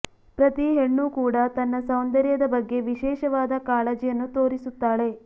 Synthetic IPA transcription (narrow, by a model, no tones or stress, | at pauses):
pɾɐt̪iɦeɳːukuːɽɐt̪ɐnːɐsɐwnd̪ɐɾjɐd̪ɐbɐɡːe̞ʋiʃɛːʃɐʋaːd̪ɐkaːled͡ʒijɐnːut̪o̞ːɾisut̪ːaːɭe̞